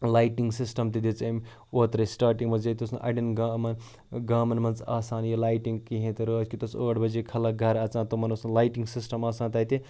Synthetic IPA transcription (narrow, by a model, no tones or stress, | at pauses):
laːjʈiŋɡsisʈɐmt̪id̪it͡sɐm | oːt̪ɾɐsʈaːɾʈiŋɡmɐd͡ʒet̪ʲosnũʔɐ̰ɖinɡamɐn | ɡaːmɐnmɐnt͡sa̰ːsaːnjɐlaːjʈiŋɡkiɦẽt̪ɐɾəkʲit̪ɐsəːʈbɐd͡ʒekʰɐlɐɡʱɐɾɐt͡sãːt̪omɐnosnlajʈiŋɡsisʈɐmaːsaːnt̪ɐt̪i